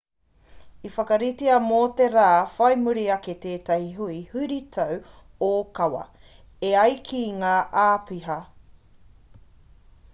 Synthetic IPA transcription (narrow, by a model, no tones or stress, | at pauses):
ifɐkɐɾitiɐmoːteɾaːfɐjmuɾiɐke̞t̪eːtɐhiɦuihuɾitʰɐw | okɐwɐ̰ | eɐjkʰiŋaːʔaːpiɦɐ